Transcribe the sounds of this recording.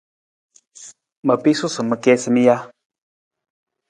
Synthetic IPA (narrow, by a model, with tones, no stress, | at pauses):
mə˨pi˦su˦sɨ˨mɨ˨kɛ˦sɨ˦mi˦ja˦